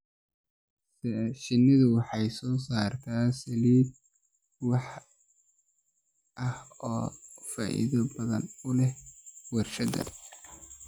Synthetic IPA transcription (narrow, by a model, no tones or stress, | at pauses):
ʃɪnːɪðʊwɑħɑjsɔːsaːrt̪ʰaːsɐliːd̪̚ | wɑħ | ʔɐhɔːfa̰ːʔɪ̰ðɐbɐðɐ̰nʊlɛhwɛrʃɐd̪ɐ̰